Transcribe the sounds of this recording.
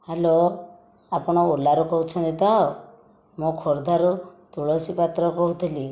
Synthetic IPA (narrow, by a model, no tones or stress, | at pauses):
halo | apɔɽ̃ɔolaɾukɔɦut͡ʃʰɔnd̪it̪a | mũkʰoɾd̪ʱaɾut̪uɭosipat̪ɾɔkɔɦut̪ʰili